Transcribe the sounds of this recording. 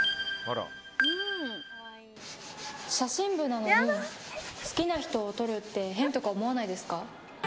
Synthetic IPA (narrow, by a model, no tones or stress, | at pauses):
haɾa̰ | ɯ | ɕaɕĩmbɯ̟nano̞ɲi | sɨ̥kʲinaçi̥t̪o̞ːt̪o̞ɾɯ̟t̪ːe̞ɦẽ̞nt̪o̞kaβomo̞anaid̪e̞sɨ̥ka